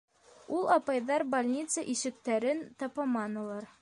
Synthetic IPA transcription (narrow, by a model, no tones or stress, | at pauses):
ulˠɑpɑjðɑɾbalʲnʲit̪səʔiʃɘ̆k̚t̪æɾɘnt̪ɑpɑmɑnulˠɑɾ